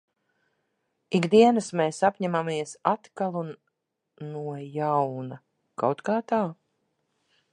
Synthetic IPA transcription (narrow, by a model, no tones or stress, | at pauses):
iɡd̪iɛnɨsmeːsapʲɲæmamiɛsat̪kalˠu | nuɔjawna | kawt̪kaːt̪aː